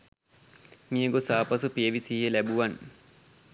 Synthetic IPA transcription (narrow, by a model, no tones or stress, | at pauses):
miəɡosaːpasupieʋisiːɦelæbuʋan